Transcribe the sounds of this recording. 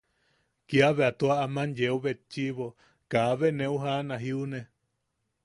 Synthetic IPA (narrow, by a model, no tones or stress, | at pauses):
kiaβeat̪uaʔamãnjeoβet͡ʃiβo | kaβenẽuɦanãɦiunẽ